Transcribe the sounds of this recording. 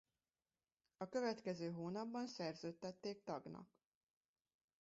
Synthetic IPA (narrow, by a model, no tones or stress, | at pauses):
ɒkø̞vɛt̪kɛzøːɦoːnɒbːɒnsɛrzøːt̪ːɛt̪ːeːk̚t̪ɒɡnɒ̰k